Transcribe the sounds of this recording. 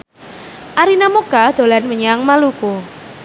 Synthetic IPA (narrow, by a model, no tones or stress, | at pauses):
ʔaɾinamokad̪̥o̤lanməɲaŋmaluku